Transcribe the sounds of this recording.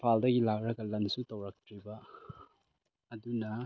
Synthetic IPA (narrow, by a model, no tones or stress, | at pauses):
pʰaldɐɡilak̚ɾɐɡɐlɐnsutɐwɾɐk̚tʰɾibɐ | dunɐ